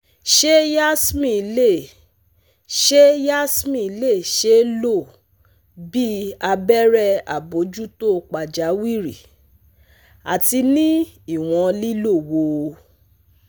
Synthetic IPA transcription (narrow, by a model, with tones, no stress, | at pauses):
ʃe˦ja˦smĩ˦˨le˦˨ | ʃe˦ja˦smĩ˦˨˧le˦˨ʃe˦lo˦˨ | bi˦a˧bɛ˦ɾɛ˦a̰˨bo˨˦d͡ʒu˦to˦k͡pa˨d͡ʒa˨˦wi˦˨ɾḭ˨ | a̰˨ti˧nĩ˦i˦˨w̃ɔ̃˧li˦lo˦˨wo˧